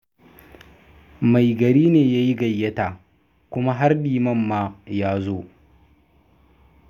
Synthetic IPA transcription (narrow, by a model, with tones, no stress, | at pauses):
ma˨jɡɐ˨ɾiː˦neː˨jaː˦ji˦ɡɐ˨jːɐ˦taː˨ | kʷʊ˦ma˦ɦa˦rɗiː˨mɐ˦mːaː˦jaː˦zoː˦